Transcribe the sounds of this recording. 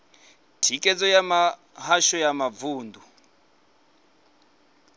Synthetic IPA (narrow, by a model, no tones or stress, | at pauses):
tʰikʼɛd͡zɔjama | haʃɔjamavuːndu